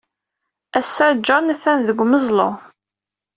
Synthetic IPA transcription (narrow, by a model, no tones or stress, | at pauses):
æsːæɾd͡ʒɑnæθænðəɡʷməzˤlo̰